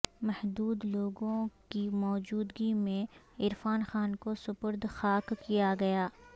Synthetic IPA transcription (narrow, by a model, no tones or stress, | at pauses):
mɛhd̪uːd̪loːɡõkimɔːd͡ʒuːd̪ɡimẽ | ɪɾfaːnxaːnkosʊpʊɾd̪ʱxaːkːijaɡɐjaː